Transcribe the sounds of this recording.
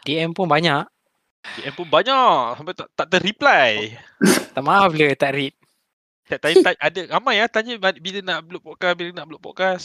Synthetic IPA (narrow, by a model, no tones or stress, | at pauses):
diɛmpunbaɲaʔ | diʔɛmpunbaɲaʔsampat̪aʔt̪aʔt̪əɾiplaj | t̪aʔmaaflət̪aʔɾit̪̚ | t̪aʔt̪at̪aʔadəɣamajaht̪aɲəabilənaʔbəluʔpɔʔkabilənaʔbəluʔpɔ̰ʔkas